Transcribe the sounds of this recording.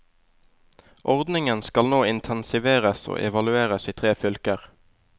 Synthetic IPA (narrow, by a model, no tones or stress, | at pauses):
ʔɔʁd̪nɪŋənskɑlnoːɪnt̪ʰɛnsɪʋeːʁəso̰ːʔɛʋɑlʉeːʁəsiːt̪ʰʁeːfʏlkəʁ